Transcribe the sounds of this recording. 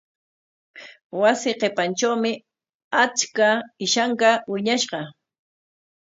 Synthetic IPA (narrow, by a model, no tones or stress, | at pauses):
wasɪqepant͡ʃawmɪ | at͡ʃkaɪʃaɴkɑwɪɲaʃɢɑ